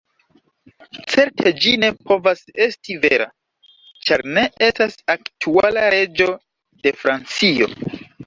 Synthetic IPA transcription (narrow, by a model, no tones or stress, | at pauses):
t͡se̞ɾtʰe̞d͡ʒine̞pʰo̞vase̞stive̞̰ɾa̰ | t͡ʃaɾne̞e̞stasaktʰualaɾe̞d͡ʒo̞ | de̞fɾant͡sio̞̰